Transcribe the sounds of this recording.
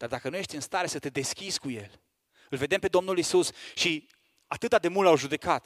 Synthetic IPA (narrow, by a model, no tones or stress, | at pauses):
d̪̥ard̪akənuje̞ʃt̪ʲɨnst̪aɾe̞sət̪e̞d̪e̞skʲizkuje̞̰l | ɨlve̞d̪e̞mpe̞d̪o̞mnulisusʃi | at̪ɨt̪ad̪e̞mult̪awʒud̪e̞kat̪